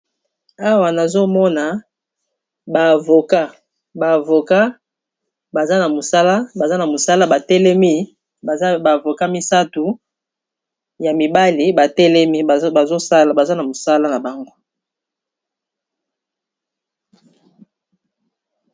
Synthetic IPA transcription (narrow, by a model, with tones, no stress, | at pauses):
a˦wa˨na˨zo˦mɔ˦na˨ | ba˨vo˨ka˦ | ba˨vo˨ka˦ | ba˨za˦na˨mo˨sa˦la˦ba˨za˦na˨mo˨sa˦la˦ba˨tɛ˦lɛ˦mi˦˨˦ | ba˨vo˨ka˦mi˦sa˦tu˨ | ja˨mi˨ba˦li˨ba˨tɛ˦lɛ˦mi˦˨ba˨zo˦sa˦la˨ba˨za˦na˨mo˨sa˦la˦na˨ba˨ŋɡo˦